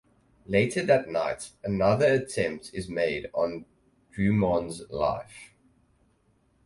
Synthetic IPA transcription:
leɪtʰəðətnaɪtənʌðəətʰɛ̃mp̚tʰɪzmeɪdn̩ | d̥ɹʉːmɔ̃nzla̰ɪf

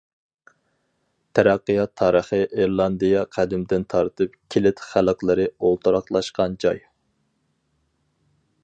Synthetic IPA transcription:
t̪ʰæɾæqːɨjɑt̪ʰːɑːɾəχɨʔeɾlˠɑnd̪ɨjɑqʰæd̪ɪmd̪ɪnt̪ʰɑɾt̪ɨp̚kʲʰelɪt̪χælˠqlˠɨɾɨolˠt̪ʰɨɾɑqlˠɑʃqɑnd͡ʒɑ̰j

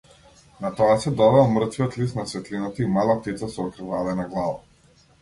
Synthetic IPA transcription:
nat̪ɔasɛd̪ɔvɛlˠmr̩t̪viɔt̪lisnasvɛt̪linat̪aimalˠat̪it̪sasɔɔkɾivalɛnaɡlˠava

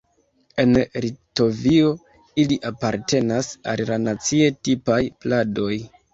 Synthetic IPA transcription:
e̞nɾito̞vio̞ | iliʔapaɾte̞nasa̰llanat͡sie̞tipajplado̞j

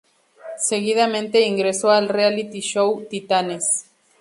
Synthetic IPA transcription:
seɣið̞amẽnt̪eiŋɡɾesoalrealit̪iʃowt̪it̪anes

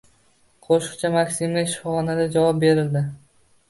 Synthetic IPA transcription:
qʰoʃɨ̥qt͡ʃʰamakʲsimlaʃɪfɒχɒnad̪ad͡ʒavɒp̚be̞ɾɪld̪ɪ

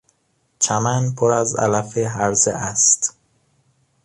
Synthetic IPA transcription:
t͡ʃʰæmænpʰoɾæzæ̰læfeɦæɾzeʔæst̪

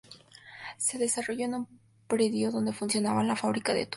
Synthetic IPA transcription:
se̞ðesaroʝoenum | pɾeðjoðond̪e̞funsjo̞naβalafaβɾikaðḛt̪

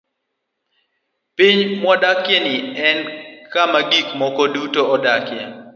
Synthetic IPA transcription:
piɲmwɔdakjɛnɪɛnkamaɡikmɔkɔdutoɔdakja

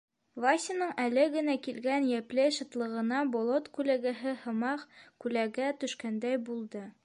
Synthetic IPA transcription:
vasʲɪnɤɴælɘɡɘ̆nækilɡænjæplɘʃɤ̆t̪lˠɤ̆ʁɤ̆nɑbolˠot̪kʉlæɡɘɦɘhɤ̆mɑqkʉlæɡæt̪ɵ̆ʃkænd̪æjbulˠd̪ɤ

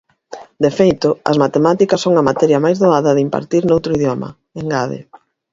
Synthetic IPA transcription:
d̪efejt̪ʊɐ̰zmat̪emat̪ikɐsːoŋɐmat̪ɛɾjɐmajzðoaðɐðɪimpa̰ɾt̪iɾnowt̪ɾʊiðjɔmɐ̰ | eŋɡaðḛ

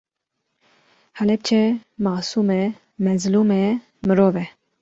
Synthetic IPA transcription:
halɛp̚t͡ʃʰɛmaːsuːmɛ | mɛzluːmɛ | mɨɾoːvɛ

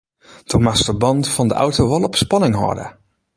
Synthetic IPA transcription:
d̥ʰomastəbɑntfɑndə̰ʔɔ̰wtoʋɔlˠɔpspɑnɪŋɦɔ̰də̰

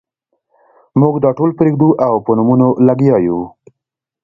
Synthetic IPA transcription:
muɡd̪ɑʈolpɾeɡd̪uʔawpənumunolaɡjɑju

